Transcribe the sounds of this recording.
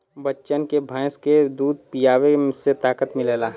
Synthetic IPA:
bətːʃənkebʱə̃ɪ̃sked̪uːd̪̚pijaːweset̪aːkət̪mɪleːlaː

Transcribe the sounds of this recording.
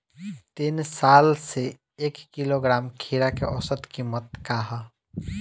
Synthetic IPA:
t̪insaːlse | eːkːiloɡɾaːmkʰiːɾakeʔɔ̰sət̪kimət̪̚kaːɦa

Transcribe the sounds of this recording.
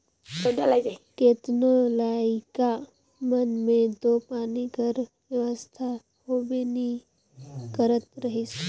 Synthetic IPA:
odalaid͡ʒaikeːt̪nolaːika | mənmẽt̪opaːniɡʱəɾ | ʋjəʋəst̪ʰa | ɦobeni | kəɾət̪ɾəɦis

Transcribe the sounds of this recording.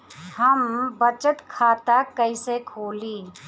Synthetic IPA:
həmbət͡ʃət̪kʰaːt̪akəɪsekʰoːliː

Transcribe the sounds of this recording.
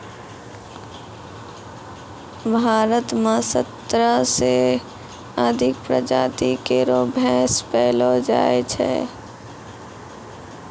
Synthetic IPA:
bʱaːɾət̪mẽsət̪ɾəse | əd̪ʱɪk̚pɾə̰d͡ʒaːt̪ikeɾobʱɛːspɛːlod͡ʒa̰ːet͡ʃʰɛ̰

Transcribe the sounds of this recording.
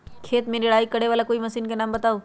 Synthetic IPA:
kʰeːt̪mẽnɪɽaːikɐɽeʋaːlakoːimɐsiːnkenãːmbɐt̪aːoː

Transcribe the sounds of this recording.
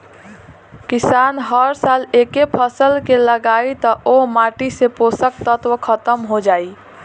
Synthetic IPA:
kisaːnɦəɾsalekepʰəsəlkeləɡaːit̪əʔomaʈiseposək̚t̪ət̪wəkʰət̪əmɦod͡ʒaːi

